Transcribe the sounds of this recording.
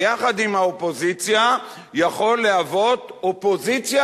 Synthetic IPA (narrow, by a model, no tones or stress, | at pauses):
aχad̪imhaopo̞zit͡sja | jaχo̞lːeavo̞t̪opo̞zit͡sja